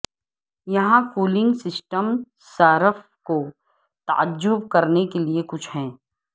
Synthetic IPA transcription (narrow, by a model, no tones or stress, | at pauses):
jɐɦãkuːlɪ̃ŋɡsɪsʈəm | saːɾəf | ko | t̪ɐ̰ʔə̰d͡ʒːʊb̚kɐɾnekeliekʊt͡ʃʰɦɛ̃ː